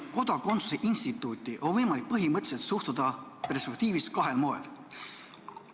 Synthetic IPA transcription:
ko̞d̪̥ɑko̞nsu̥seʔinst̪it̪ːˑuːt̪ːˑiʔo̞nvɤjmɑlik̚pɤɦimɤt̪se̞t̪suht̪ud̪̥ɑpe̞rspek̚t̪iːviskɑɦe̞lmo̞ːel

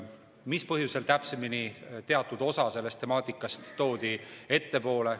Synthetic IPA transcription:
mispɤɦjuse̞lt̪æpse̞minit̪e̞ɑt̪ˑːud̪̥o̞sɑse̞lːe̞st̪e̞mɑːt̪ˑikːˑɑst̪ːo̞ːd̪̥ie̞t̪ːe̞po̞ːle̞

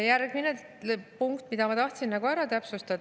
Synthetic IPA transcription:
jærɡ̥mine | puŋkt̪mid̪̥ɑmɑt̪ɑht̪sinːɑɡuæɾɑt̪æpsust̪ɑd̪

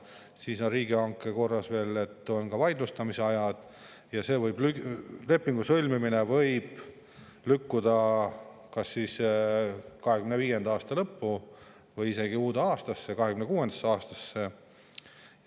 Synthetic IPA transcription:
siːsoriːɡiɑŋkːˑeko̞rːɑsve̞ːle̞t̪ːˑo̞nkɑvɑjd̪lust̪ɑmiseɑjɑd̪̥ | jɑse̞ːvɤjblyle̞pːˑiŋɡ̥usɤlʲmiminevɤjb̥ | lykːud̪ɑ | kɑsːis | kɑɦe̞kymneviːje̞nd̪̥ɑːst̪ɑlɤpːu | vɤjise̞ɡ̥iuːd̪eɑːst̪ɑsːe̞kɑɦe̞kymnekuːe̞nd̪̥ɑ̥sːeɑːst̪ɑsːe̞

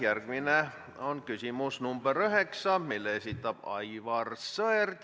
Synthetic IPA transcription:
jærkʋinæ | onkysimusnumb̥əryheksɑmilːeisit̪tːɑpɑ̰iʋɑrsøert̪ʲ

